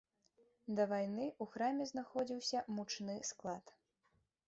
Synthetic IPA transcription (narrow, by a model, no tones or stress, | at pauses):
d̪ɐvajn̪ɨuxɾamʲɛznaxɔd͡zʲiwsʲɐmut͡ʂnɨsklˠat̪